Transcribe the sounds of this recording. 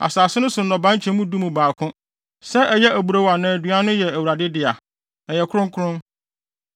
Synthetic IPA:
a̰˨saː˨sɪ˦nʊ̃˦sʊ˨nɔ̃˨bã˦ɲ˦t͡ɕʰɛ̃˦mũ˦du˦mũ˨baː˨kʰʊ̃˦ | sɛ˦ʔɛ˨jɛ˦ʔæ˨bu˨ɾa˦wa˨nãː˨æ˨dɥa˦nʊ̃˦jɛ˨æ˨wu˨ɾa˨dɪ˦dɪ˨a˨ | ɛ˨jɛ˨kʰɾʊ̃˦ŋ˦kʰʊ˦ɾʊ̃˦n

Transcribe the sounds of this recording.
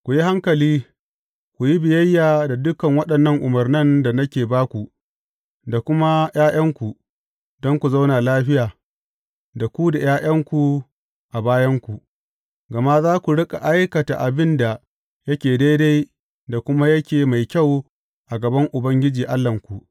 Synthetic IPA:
kʷu˨ji˦ha˦ŋkɐ˨liː˦ | kʷu˨ji˦bɪ˨jɐ˦jːaː˨da˨dʊ˦kɐ˨ŋwɐ˦ɗɐ˨nːɐ˦ŋʔʊ˨mɐ˨rnɐ˦nda˨nɐ˦kʲeː˨baː˦kʷu˨ | da˨kʷʊ˦ma˦j̰aː˦j̰ɐ˦ŋkʷu˨ | dɔ˦ŋkʷu˨za˦wna˨laː˦ɸɪ˦jaː˨ | da˨kʷu˦da˨j̰ʔaː˦j̰ɐ˦ŋkʷu˨ | ʔa˨baː˦jɐ˦ŋkʷu˨ʔ | ɡɐ˨ma˦zaː˦kʷu˨ɽɪ˦kʼa˨ʔa˦jkɐ˨ta̰˨ʔa˨bɪ˦nda˨ | jɐ˦kʲeː˨da˦jda˦j | da˨kʷʊ˦ma˦jɐ˦kʲeː˨ma˨jkʲa˦˨w | ʔa˨ɡɐ˨bɐ˦ŋʔʊ˨bɐ˦ŋɡʲɪ˦d͡ʒiː˨ʔa˦lːɐ˨ŋkʷu˨ʔ

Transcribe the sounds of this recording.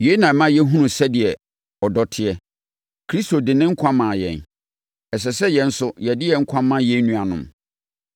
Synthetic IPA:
je˨˦nã˨mã˦jɛ˦ɦũ˦nʊ̃˨sɛ˦dɪ˨ɛ˨ | ɔ˨dɔ˨tʰɪ˨ɛ˦ | kʰɾi˦sto˨dɪ˨nɪ̃˦ŋ̩˦kʷʰã˦mã˨jɛ̰̃˨n | ɛ˨s̬ɛ˨sɛ˦jɛ̃˨n̩˦sʊ˦jɛ˨dɪ˦jɛ˨ŋ̩˦kʷʰã˦mːã˦jɛ˦nũ˦a˨nʊ̰̃˨m

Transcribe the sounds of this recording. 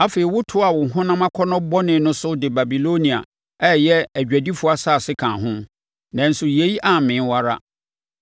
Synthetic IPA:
a˦fe˨i˨wʊ˦tʰʊ˦a˨wʊ̃˨ɦʊ̃˦nã˦mã˦kʰɔ˦nɔ̃˦bɔ˦nɪ̃˨˦nʊ̃˦sʊ˦dɪ˨ba˨bi˨lo˦nĩ˨a̰˨ | ɛ˦˨jɛ˦æ˨d͡ʑᶣæ˨di˦fu˦a˦saː˦˨sɪ˦kʰã˨ɦʊ̃˦ | nã˨n̩˨sʊ˨je˨˦i˦ʔa˨mɪ̃˨˦n˦wa˦ɾa̰˦

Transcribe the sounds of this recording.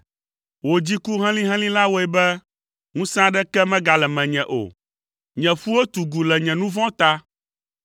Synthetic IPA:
wo˨d͡ʑi˦ku˦ɦɛ̃˦lĩ˦ɦɛ̃˦lĩ˦la˦wo˨˦ɛ˨bɛ˦ | ŋũ˦sã˦ɖɛ˦kɛ˦mɛ̃˦ɡa˨lɛ˨mɛ̃˨ɲɛ̃˨ʔo̰˨ | ɲɛ̃˨fu˦wo˦t̪u˨ɡu˨lɛ˨ɲɛ̃˨nũ˦vɔ̃˦t̪a˦

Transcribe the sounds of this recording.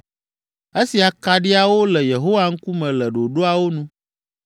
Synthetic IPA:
e˦si˨a˨ka˨ɖi˦a˨wo˦lɛ˨je˨ɦo˦wa˨ŋ̩˦ku˦mɛ̃˨lɛ˨ɖo˨ɖo˦a˨wo˦nũ˦

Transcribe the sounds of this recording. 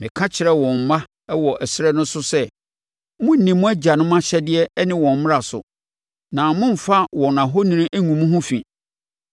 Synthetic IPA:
mɪ̃˨kʰã˦t͡ɕʰɪ˨ɾɛ˦wɔ̃˨m̩˨mã˦ | wɔ˨ʔæ˨sɪ˦ɾɛ˦nʊ̃˦sʊ˦sɛ˦ | mʊ̃˦n̩˦˨nĩ˨mʊ̃˦æ˦d͡ʑa˨nʊ̃˦m˦ã˦ɕɛ˦dɪ˦ɛ˦nɪ̃˦wɔ̃˨m̩˨mɪ̃˦a˨sʊ̰˨ | nã˨mʊ̃˦m̩˨fa˦wɔ̃˨nã˨ɦo˦nĩ˦ĩ˦ʔæ˦ŋũ˨mũ˦ɦʊ̃˦fĩ˨

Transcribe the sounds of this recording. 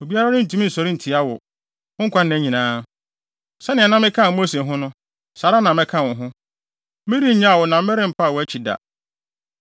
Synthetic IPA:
o˨bi˦a˦ɾa˦nʊ̃˦n̩˨tʰũ˨˦m̃˦n̩˨sɔ˨ɾi˦n̩˨tʰi˨a˦wɔ̰˨ | ʊ̃˦ŋ̩˦kʷʰa˦n˦æ˨˦ɲĩ˨nãː˦ | sɛ˦nɪ̃˨a˨nã˦mɪ̃˦kʰã˦˨˦o˦se˨ɦʊ̃˦nʊ̃˦ | saː˨ɾa˦nã˨mɪ̃˦kʰã˦˨wʊ̃˨ɦʊ̃˦ | mɪ̃˦ɾi˦ɲã˦a˨wɔ˨nã˨m̩˦mɛ˦ɾɪ̃˦m̩˨pʰa˦a˨wɔ˨˦æ˦t͡ɕʰi˨da̰˨

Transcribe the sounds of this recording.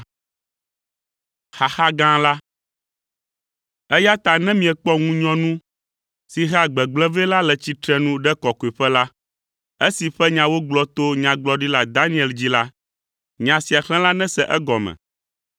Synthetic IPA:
xa˨xa˦ɡã˦la˦ | ɛ˦ja˦t̪a˨nɛ̃˦mĩ˨ɛ˨k͡pɔ˦ŋũ˦ɲɔ̃˦nũ˦ | si˨ɦa˦ɡ͡bɛ˨ɡ͡blɛ̃˦vɛ˦la˦lɛ˨t͡ɕi˨t̪ɾɛ˦nũ˦ɖɛ˦kɔ˨ko˨e˨ɸɛ˦la˦ | e˦si˨ɸɛ˦ɲã˨wo˦ɡ͡blɔ˦t̪o˦ɲã˨ɡ͡blɔ˦ɖi˦la˨d̪a˦nĩ˦ɛ˨ld͡ʑi˦la˦ | ɲã˨si˨a˨xlɛ̃˦la˦nɛ̃˦sɛ˦ʔɛ˦ɡɔ˨mɛ̰̃˨

